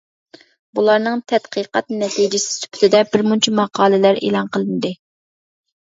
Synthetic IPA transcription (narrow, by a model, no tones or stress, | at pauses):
bulˠɑɾnɨŋt̪ʰɛt̪qʰəqɑt̪nɛt̪ʰid͡ʒɪsɪ̥sy̥pʰy̥t̪ʰɪd̪ɛbɪɾmunt͡ʃʰimɑqʰɑːlˠɨlæɾḛːlˠɑnqʰəlˠɨnd̪ɨ